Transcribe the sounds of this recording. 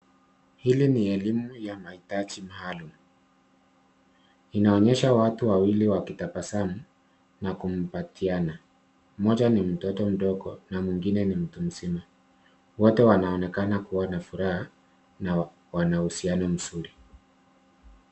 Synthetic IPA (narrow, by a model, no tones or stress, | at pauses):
hiliniɛlimujamahitad͡ʒimaːlum̩ | inaɔɲɛʃawatuwawiliwakitapasamu | nakum̩patʰiana | mɔʄanim̩tɔtɔm̩ɗɔɡɔ̰namwiŋɡinɛnim̩tum̩zima | wɔtɛwanaɔnɛkanakuwanafuɾaha | na | wanahusianɔm̩suɾi